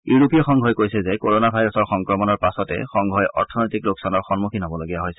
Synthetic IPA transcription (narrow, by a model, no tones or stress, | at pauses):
juɹupijɔxɔŋɡʱɔjkojsɛzɛkoɹonabʱajɹɔsɔɹxɔŋkɹɔmɔnɔɹpasɔtɛ̰xɔŋɡʱɔjʔɔ̰ɹtʰɔnojtikloksanɔɹxɔnmukʰinɦobɔloɡiaɦojsɛ̥